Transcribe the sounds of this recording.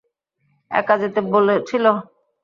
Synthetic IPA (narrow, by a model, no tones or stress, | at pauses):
ɛ̰kad͡ʑet̪ebolet͡ɕʰilo